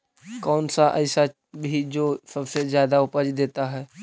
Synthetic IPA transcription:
kɔːnsaʔəɪsa | bʱid͡ʒoːsɐbsezjaːd̪aʊpəd͡ʒd̪eːt̪aɦɛː

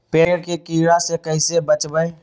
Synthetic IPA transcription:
peːɽkekiːɾasekəɪsebət͡ʃbəe

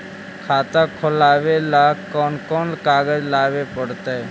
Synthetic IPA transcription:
kʰaːt̪ãkʰɔlaːʋelakɔːnkɔːnlkaːɡəd͡ʒlaːʋepəɽt̪ae

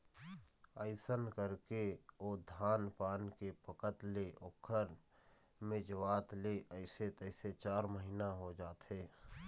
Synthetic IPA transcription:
əɪsənkəɾkeoːd̪ʱaːnpaːnkepəkət̪leʔokʰːəɾ | mɪd͡ʒwaːt̪leʔəɪset̪əɪset͡ʃaːɾməɦiːnaɦod͡ʒaːt̪ɦeː

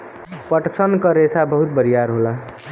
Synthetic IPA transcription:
pəʈsənkəɾesʰabəɦut̪̚bəɾijaɾɦola

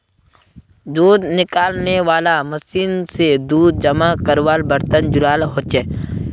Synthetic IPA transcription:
d̪uːd̪nɪkaːlneʋaːlamɐsiːnsed̪uːd̪̚d͡ʒɐmakəɾʋaːlbəɾt̪ənd͡ʒʊɾaːlɦoːt͡ʃeː

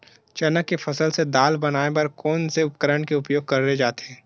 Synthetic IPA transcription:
t͡ʃɐnəkːefʰɐsəlsed̪aːlbɐnaːepɐɾkɔːnseʊp̚kəɾəɳkeʊpjoːɡ̚kɐɾɾed͡ʒaːt̪eɛ̃ː

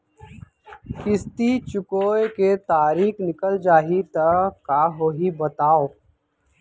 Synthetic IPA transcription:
kɪst̪it͡ʃʊkoːeket̪aːɾiːkʰnɪkəld͡ʒaːɦit̪əkaɦoɦibət̪aːo

